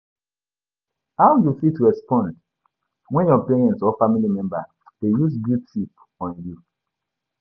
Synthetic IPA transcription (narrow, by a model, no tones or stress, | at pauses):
hawjufitɹɛspɔ̃nd | wɛ̃njɔpeɹɛ̃ntsɔfamilimɛ̃mba | d̥ejusɡudtip | ɔ̃nju